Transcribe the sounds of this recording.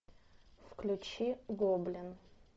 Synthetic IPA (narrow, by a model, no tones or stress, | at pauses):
fklʲʊt͡ɕiɡoblʲɪn